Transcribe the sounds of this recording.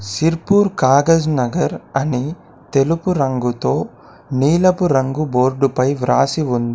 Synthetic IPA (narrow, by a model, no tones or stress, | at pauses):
siɾpuːɾkaːɡɐd͡ʒnɐɡɐɾɐni | t̪elupuɾɐŋɡut̪o̞ː | niːlɐpuɾɐŋɡuboːɾɖupɐjʋɾa̰ːsiʋund̪i